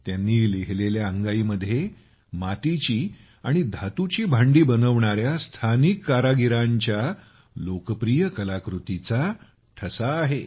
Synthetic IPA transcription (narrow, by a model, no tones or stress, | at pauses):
t̪janːiːliɦleljaəŋɡaiːməd̪ʱːje | mat̪it͡ɕiː | aɽ̃id̪ʱat̪ut͡ɕiːbʱaɳɖiːbənəʋɳaɾjast̪ʰanikːaɾaɡiɾaɲt͡ɕja | lokəpɾijəkəlakɾut̪it͡sa | ʈʰəsaːɦe